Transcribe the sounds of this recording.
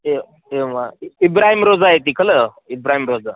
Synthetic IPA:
e | emaibɾaɦimɾod͡zaɦet̪ikʰələ | ibɾaɦimɾod͡za

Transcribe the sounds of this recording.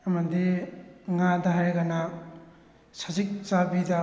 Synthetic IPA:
amadiŋadaɦajɡana | sazik̚t͡ʃabida

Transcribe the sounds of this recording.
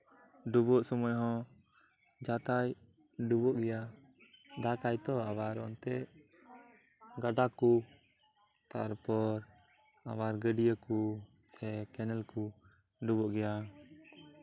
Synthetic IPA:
ɖubɔʔsɔmɔjɦɔ̃ | d͡ʒat̪aj | ɖubɔʔɡɛja | d̪akajt̪ɔabaɾɔ̰nt̪ɛʔ | ɡaɖaku | t̪aɾpɔɾ | abaɾɡəɖijəku | sɛkɛnɛlku | ɖubɔʔɡɛja

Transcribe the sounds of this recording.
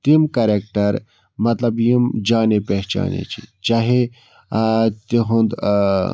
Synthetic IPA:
t̪imkɐɾeːk̚ʈɐɾ | mɐt̪lɐbjimd͡ʒaːnepɛɦt͡ʃa̰ːnḛt͡ʃʰḭt͡ʃaːɦe | t̪iɦũnd̪

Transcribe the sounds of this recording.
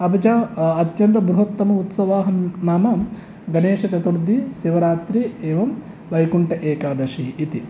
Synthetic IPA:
ɐbʱɐd͡ʒaːɐt̪jɐnt̪ɐbɾuɦɐt̪ːɐmɐut̪sɐʋaːɦɐnaːmɐ | ɡɐneːʂɐt͡ʃɐt̪uɾd̪ʱːisiʋɐɾaːt̪ɾieːʋɐm | ʋɐjkuɳʈɐʔeːkaːd̪ɐʃiːt̪i

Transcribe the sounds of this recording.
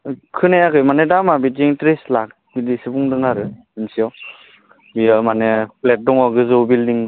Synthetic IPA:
kʰɯneakʰɯjmanedamabitiŋtɾislak̚ | bidisibuŋdɯŋaɾɯ | imsiɔw | biamaneplet̚dɔŋɔɡɯzobildiŋ

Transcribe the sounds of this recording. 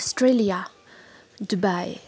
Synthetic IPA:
stɹelia | dubaj

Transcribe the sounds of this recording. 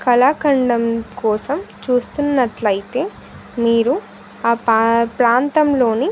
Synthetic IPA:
kɐlaːkɐɳɖɐmkɔːsɐmt͡ʃuːst̪unːɐʈlɐjit̪e̞ː | miːɾu | aːpɾaːnt̪ɐmlo̞ːni

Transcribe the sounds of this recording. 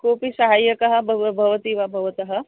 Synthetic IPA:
koːpisɐɦaːjɐkɐɦɐ̆bʱɐʋbʱɐʋɐt̪iːʋɐbʱɐʋɐt̪ɐɦɐ̆

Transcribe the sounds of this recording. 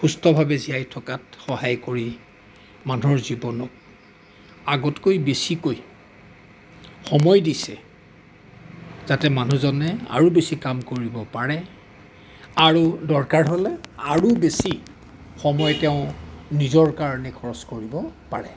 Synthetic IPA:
xustɔbʱabɛziajtʰɔkatxɔhajkoɹi | manɔɹzibɔnɔk̚ | aɡɔtkojbesikoj | xɔmɔjdisɛ | z̥atɛmanuzɔnɛa̰ɹubesikamkoɹibɔpaɹɛ | aɹudɔɹkaɹɦolɛaɹubesi | xɔmɔjtɛʊ̃nizɔɹkaɹɔnɛkʰɔɹɔskoɹibɔpaɹɛ

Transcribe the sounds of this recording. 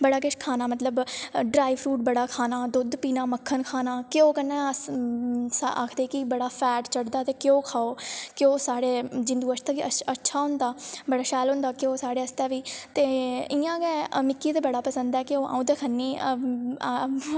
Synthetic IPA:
bəɽaːkɪʃkʰaːnaːmət̪ləbɖɾaːiʋʰɾuːʈbəɽaːkʰaːnaːd̪ʊd̪piːnaːməkʰːənkʰaːnaːkɪoːkənːɛ̃ː | sʔa̰ːkʰd̪eːkɪbəɽaːpʰɛːʈt͡ʃəɽd̪aːt̪eːkjõːkʰaːoːkɪoːsaːɽeːd͡ʒɪnd̪uːəʃt̪aːʋiːəətːʃʰaːɦʊnd̪aːbəɽaːʃɛːlɦʊ̃nd̪aːkɪoːsaːɽeːəst̪ɛːʋiːt̪eːɪːãːɡɛːmɪkːiːt̪eːbəɽaːpəsənd̪ɛːkɪoːʔã̰ːd̪eːkʰənːiː

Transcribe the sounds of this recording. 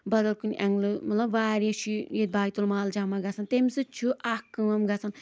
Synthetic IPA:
bɐd̪ɐlkunʲʔɐŋɡlɨmɐlɐbʋaːɾeʃʰijet̪d̪̚baːjt̪ulmaːld͡ʒaːmaɡɐsant̪emʲsɨt͡ʃʰuʔakːɨʋɐmɡɐsan

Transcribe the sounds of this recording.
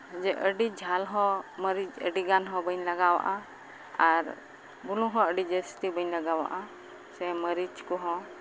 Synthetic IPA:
d͡ʒɛʔəɖid͡ʒʱalɦɔ̃məɾid͡ʒə̰ɖiɡanɦɔ̃bəɲlaɡawa̰ʔa | aɾ | bulũɦɔ̃əɖid͡ʒəst̪ibəɲlaɡawa̰ʔa | sɛməɾit͡ʃkɔɦɔ̃

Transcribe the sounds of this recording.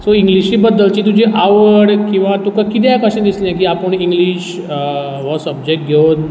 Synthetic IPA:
soiŋɡliɕiːbəd̪ːəlt͡ɕiːt̪̬ud͡ʑiʔaʋəɽkĩw̃ʋat̪ukakit̪jakəɕẽd̪islãk̬iapəɳiŋɡliɕ | ʋɔsəb̚d͡ʑek̚ʈ̚ɡʱewn

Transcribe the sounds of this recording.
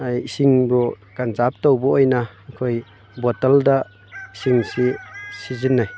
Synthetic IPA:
ajisiŋbɔ | kanzap̚towbɔojna | kʰoj | bɔtalda | isiŋsisizinːaj

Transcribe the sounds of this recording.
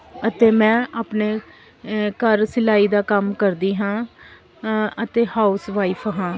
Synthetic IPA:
ət̪eːmɛ̃ːʔaːpneː | kəɾsɪlaːiːd̪aːkəmkəɾd̪iːɦãː | ət̪eːhaːʊsʋaːiːpʰɦãː

